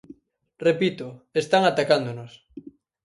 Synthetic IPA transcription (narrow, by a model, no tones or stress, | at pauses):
repit̪ʊest̪aŋat̪akand̪onos